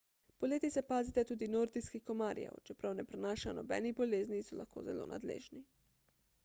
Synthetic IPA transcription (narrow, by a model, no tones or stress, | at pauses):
poleːt̪isɛpaːzit̪ɛt̪uːd̪inoɾd̪iskixkomaːɾja̰t͡ʃɛpɾawnɛpɾɛnaːʃanɔbɛ̰ːniboleːznisɔla̰xko̰ːzɛlo̰ːnʔa̰d̪lḛːʒni